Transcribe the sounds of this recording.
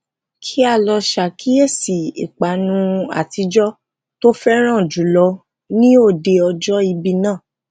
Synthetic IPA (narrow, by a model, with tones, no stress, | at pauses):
kʰi˦a˦˧˨lɔ˧ʃa˨ki˦e˦˨si˨ḭ˨k͡pa˨nũ˧a̰˨ti˧˦d͡ʒɔ˦ | to˦fɛ˦ɾ̃ã˦˨d͡ʒu˨˦lɔ˧˦ | nĩ˦o˦˨de˧ɔ˧d͡ʒɔ˦i˧bi˧nãː˦˨